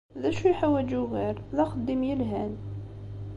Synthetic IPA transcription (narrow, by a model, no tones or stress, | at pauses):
ðæʃujħawæd͡ʒuɣiɾðæxəd̪ːəmjəlɦæn